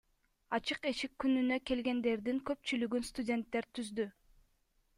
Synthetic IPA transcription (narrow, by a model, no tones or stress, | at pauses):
ɑt͡ʃɯqeʃikːynynøke̞lɡe̞nd̪e̞ɾd̪iŋkø̞p̚t͡ʃylyɡynst̪udʲe̞nt̪ːe̞ɾt̪ʰyzd̪y